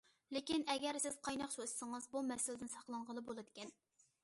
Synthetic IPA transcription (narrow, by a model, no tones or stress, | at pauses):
lɪkʲinɛɡʲɛɾsɪz̥qʰɑjnɑχt͡ʃʰossəŋɨzbumɛsɪlɪd̪ɪnsɑχlˠɑɴʁəlˠɨbolˠɨd̪ɪkʲɛn